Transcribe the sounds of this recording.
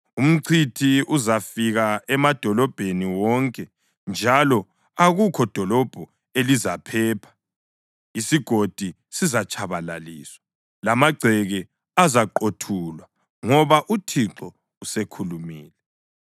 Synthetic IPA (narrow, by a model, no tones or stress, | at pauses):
um̩ǀʰitʰiuzafiɣaɛmad̥ʱɔlɔb̥ʱeniwɔŋkʼɛ | nd͡ʒʱalɔ | aɣukʰɔd̥ʱɔlɔb̥ʱɔ | elizapʰɛːpʰḁ | isiɡ̥ʱod̥ʱi | sizat͡ʃʼʰaβala̰liːswa | lamaɡ͡ǀʱɛɣɛ | azaǃotʰulwa | ŋɔβaʔutʰiǁɔ | usekʰulumiːlɛ